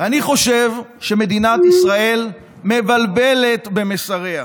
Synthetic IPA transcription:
aniχo̞ʃe̞vʃe̞me̞d̪inat̪isʁae̞l | me̞valbe̞le̞t̪be̞mesaʁe̞a

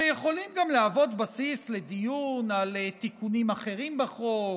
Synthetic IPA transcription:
ejeχo̞limɡamleavo̞t̪basisle̞d̪ijunalet̪ikunimaχe̞ʁimbaχo

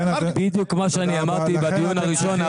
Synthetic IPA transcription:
bid̪jukmaʃeaniamaʁt̪ibad̪ijunhaʁiʃo̞n

